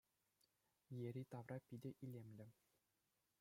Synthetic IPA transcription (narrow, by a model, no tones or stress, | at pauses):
jeɾʲit̪ɑʋrɑpʲidʲɘ̆ʔilʲemʲlʲɘ̆